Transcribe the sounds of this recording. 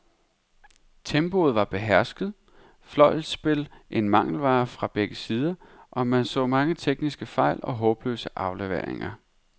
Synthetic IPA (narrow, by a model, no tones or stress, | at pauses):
t͡sʰemb̥o̝ð̞̩ˠʋɑ̈b̥e̝ɦæɐsɡ̥ð̞̩ˠ | flɒ̽ɪ̰l̥sb̥e̝lʔe̝nmɑ̈ŋ̰l̩ʋɑ̈ːfʁɑ̈b̥eɡ̥əsiːð̞ˠɐʔɒ̽mænsɔ̰̽ːmɑ̈ŋət͡sʰeɡ̥nisɡ̥əfɑ̈ɪ̰lɒ̽ɦɔ̽ːb̥lø̰ːsəʔɑ̈ʊleʋḛɐ̰ḛŋɐ